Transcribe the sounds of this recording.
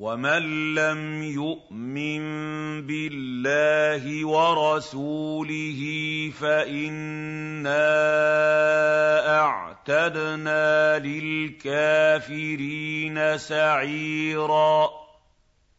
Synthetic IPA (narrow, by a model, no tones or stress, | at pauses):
wamanːamjʊʔ | mɪnbɪlːaːɦɪwɑɾˤɑsuːlɪhiːfaʔɪnːaː | ʔaʕt̪ad̪naːlɪlkaːfɪɾiːnasaʕiːɾaː